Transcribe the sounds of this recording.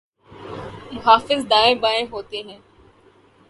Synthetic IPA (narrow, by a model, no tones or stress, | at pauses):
mʊɦaːfɪzd̪aːẽbaːẽɦoːt̪eɦɛ̃ː